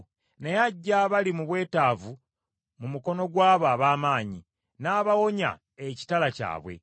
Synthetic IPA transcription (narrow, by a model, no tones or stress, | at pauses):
ne̞jaɟːaβalimuβwe̞ːtaːvu | mumuko̞no̞ɡwaːβaːβaːmaːɲi | naːβawo̞ɲa̰ | eci̥talaca̰ːβwḛ